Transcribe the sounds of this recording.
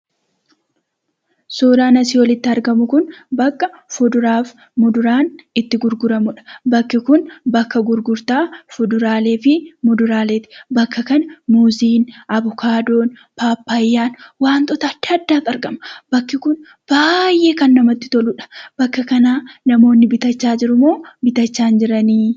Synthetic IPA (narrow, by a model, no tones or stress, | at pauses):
soːɾaːnɐsɪwɔlɪt̪ːɪɐɾɡɐmʊkʊnbɐkːɐfʊd̪ʊɾaːf | mʊd̪ʊɾaːnɪt̪ːɪɡʊɾɡʊɾɐmʊᶑɐ̥bɐkːɪkʊnbɐkːɐɡʊɾɡʊɾt̪aːfʊd̪ʊɾaːle̞ːfɪmʊd̪ʊɾaːle̞ːt̪ɪ̥bɐkːɐkɐnmuziːnʔɐbʊkʰaːd̪o̞ːn | paːpːaːjːaːnwaːnt̪ʼɔt̪aːt̪ɪɐd̪ːaːkʼɐɾɡɐmɐb̥ɐkːɪkʊn | b̥aːjʔe̞ːkɐnːɐmɐt̪ːɪ̥t̪ɔlʊᶑɐ̥b̥ɐkːɐkɐnaːnɐmo̞ːnːɪbɪt̪ɐt͡ʃːaːd͡ʒɪɾʊmo̞ːbɪt̪ɐt͡ʃːaːnd͡ʒɪɾɐniː